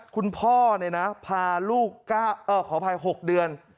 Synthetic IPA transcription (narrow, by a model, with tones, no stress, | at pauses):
kʰu˧npʰɔː˥˩na˧˩jna˦˥pʰaː˧luː˥˩kːaː˥˩ʔɤː˧˩kʰɔː˩˦pʰa˧jɦo˨˩k̚dɯ˧ən